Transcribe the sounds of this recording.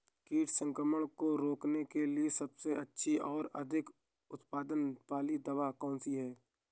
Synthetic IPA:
kiːʈsə̃ŋkɾəməɽ̃koɾoːknekeliesɐbseɐtːʃʰiʔɔːɾɐ̰d̪ʱɪk | ʊt̪paːd̪ənpaːlid̪ɐʋakɔ̃ːnsiɦɛː

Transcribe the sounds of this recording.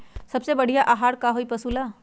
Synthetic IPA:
səbsebəɽ̤ijaʔaɦaːɽkaɦoipəsula

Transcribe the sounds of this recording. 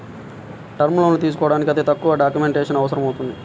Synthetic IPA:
ʈɐɾmulɐnut̪iːs̬u̥kɔːɽaːnikʲiɐd̪eːt̪ɐkːuʋɐɖaːkjume̞ɳʈeːʂɐnɐʋɐsɐɾɐmɐwt̪und̪i

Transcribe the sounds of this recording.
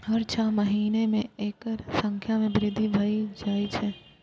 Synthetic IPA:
ɦəɾt͡ʃʰaːməɦiːnemẽeːkəɾsə̃ŋkʰjamẽbɾɪd̪ʱːibʱaːid͡ʒaːit͡ʃʰɛ

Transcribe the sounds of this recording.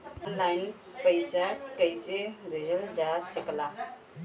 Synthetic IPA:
ɔnlaɪn | pəɪsakəɪsebʱed͡ʒəld͡ʒasɪkla

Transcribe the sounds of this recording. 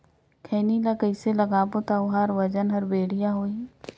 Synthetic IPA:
kʰɛːnilakəɪselɐɡaːbot̪aʊɦaːɾʋəd͡ʒənɦɐɾbeːɽɪjaɦoːi

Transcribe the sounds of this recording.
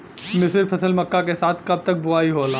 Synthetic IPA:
mɪsɪɾpʰɐsəlmɐkːakesaːt̪ʰkɐb̚t̪ɐk̚bʊaːiɦoːlaː

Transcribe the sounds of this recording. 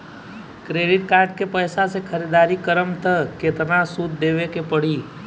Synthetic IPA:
kɾeɖɪʈ̚kaːɾɖ̚kepəjsasekʰəɾid̪aɾikəɾəmt̪əket̪əɾnasud̪d̪eʋekepəɽ̤iː

